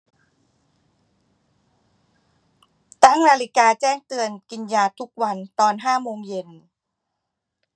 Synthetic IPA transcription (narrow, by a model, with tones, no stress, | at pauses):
t̪a˥˩ŋnaː˧li˦˥kaː˧t͡ɕɛː˥˩ŋt̪ɯ˧ənki˧njaː˧t̪ʰu˦˥k̚wa˧nt̪ɔː˧nɦaː˥˩moː˧ŋje˧n